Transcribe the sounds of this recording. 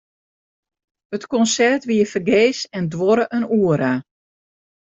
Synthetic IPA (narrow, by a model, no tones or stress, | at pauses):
ətkɔnsɛrtʋiəfərɡeːsɛndʋɔɾəʔənuəɾa